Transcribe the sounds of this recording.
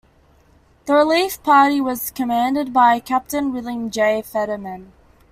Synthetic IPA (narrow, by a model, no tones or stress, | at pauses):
ðəɹəliˑfpʰɑɹɾiwʌz̥kʰəmæ̃ndɨd̚baɪkʰæp̚tɨ̃nɹɪlˠɪ̃ŋd͡ʒeɪfɛɾəmə̃n